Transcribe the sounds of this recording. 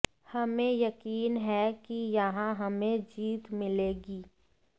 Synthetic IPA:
hɐmẽjɐkiːnɦɛkijɐɦãɦɐmẽd͡ʒiːt̪mɪleːɡiː

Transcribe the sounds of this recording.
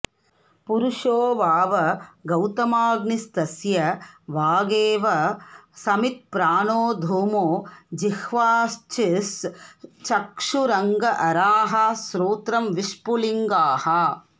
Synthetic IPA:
puɾuʂoːʋaːʋɐɡɐwt̪ɐmaːɡnist̪ɐsjɐʋaːɡeːʋɐsɐmit̪̚pɾaːnoːd̪ʱuːmoːd͡ʒihʋaːst͡ʃis | t͡ʃɐkʂuɾɐŋɡɐʔɐɾaːɦɐsɾuːt̪ɾɐmʋiʂpuliŋɡaːhɐ

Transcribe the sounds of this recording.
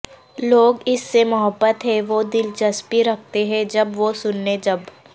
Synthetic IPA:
loːɡɪsːemɐɦəbːət̪ɦɛʋod̪ɪlt͡ʃɐspiɾɐk̚ʰt̪eɦɛ̃d͡ʒɐbʋosʊnːed͡ʒɐb

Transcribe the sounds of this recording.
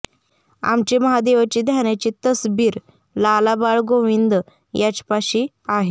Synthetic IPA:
a̰mt͡ɕiməɦad̪eʋat͡ɕiːd̪ʱjanjat͡ɕit̪əsbiːɾ | lalabaɭɡoʋind̪ | jat͡ɕpaɕiː | aɦe

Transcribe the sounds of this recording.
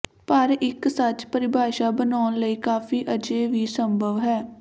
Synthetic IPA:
pəɾɪksət͡ʃpəɾɪbʱaːʃaːbənaːnləiːkaːfʰiːʔəd͡ʒeːʋiːsəmbʱəʋɦɛː

